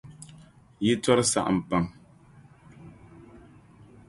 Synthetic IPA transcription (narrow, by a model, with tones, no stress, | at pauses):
ji˦tɔ˦ɾɨ˦sa̰˦˨ʔa̰˨m̩˨pa˦˨ŋ